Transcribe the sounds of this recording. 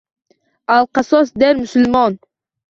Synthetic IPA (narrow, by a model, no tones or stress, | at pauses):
ɑlˠqɑsosd̪eɾmʏsʊlʲmɑn